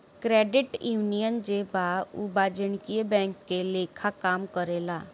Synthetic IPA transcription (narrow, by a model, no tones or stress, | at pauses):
kɾeːɖɪʈjuːnijənd͡ʒebaubaːd͡ʒəɳ̃kijebɛ̃ːŋkːeleːkʰakaːmkəɾeːlaː